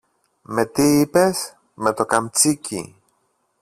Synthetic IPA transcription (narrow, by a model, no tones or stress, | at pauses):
met̪iːpes | met̪okamt͡sikḭ